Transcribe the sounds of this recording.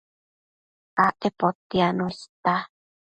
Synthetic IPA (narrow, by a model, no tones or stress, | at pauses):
ʔaʔepot̪ianost̪a